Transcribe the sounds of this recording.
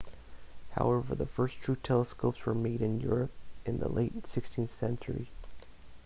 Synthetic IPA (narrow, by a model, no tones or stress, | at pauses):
ha̰ʊɛvə̰˞ðəfɜ˞stʰɹ̥ʉtʰɛlˠəskoʊpswə˞meɪɾɨ̃njʊɹɨp̚ʔɨ̃nðə̰lḛɪtsɪkstʰĩnθsɛ̃nt͡ʃə̰˞ḭ